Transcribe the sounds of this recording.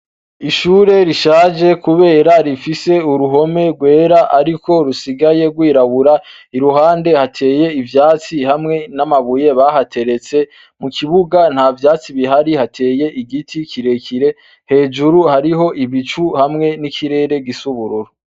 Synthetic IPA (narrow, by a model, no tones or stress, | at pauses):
iʃuːɾe̞ɾiʃaːd͡ʒe̞kuβe̞ːɾaɾifise̞uɾuɦo̞me̞ɾɡwe̞ːɾaʔaɾikʰo̞ɾusiɡaje̞ɡwiːɾaβuɾa | iɾuɦaːnde̞hatʰe̞ːje̞ivjaːt͡sihamŋe̞namaβuje̞βaɦatʰe̞ɾe̞t͡se̞ | mukʰiβuɡan̥haːvjaːt͡siβiɦaɾihatʰe̞ːje̞ʔiɡitʰikʰiɾe̞kʰiɾe̞ | he̞ːd͡ʒuɾuhaɾiɦo̞ʔiβit͡ʃuhamŋe̞nikʰiɾe̞ːɾe̞ɡisuβuɾuɾu